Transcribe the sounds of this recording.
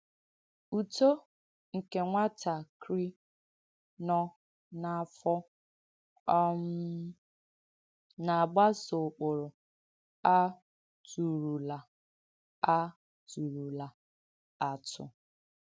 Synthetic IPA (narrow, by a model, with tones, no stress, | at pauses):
u˨to˦ | ŋ̩˨ke˨ŋʷa˦ta˨kɾi˦ | nɔ˦ | na˨fɔ˦ | ɔ˦m̩˦ | na˨ɡ͡ba˦so˨k͡pʊ˨ɾʊ˨ | a˦ | tu˨ɾu˨la˨ | a˦ | tu˨ɾu˨la˨ | a˨tʊ̰˨